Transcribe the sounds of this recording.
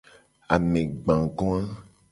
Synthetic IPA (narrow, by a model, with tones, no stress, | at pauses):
a̰˨mẽ˨ɡ͡bã˨ɡɔ̃˦a˦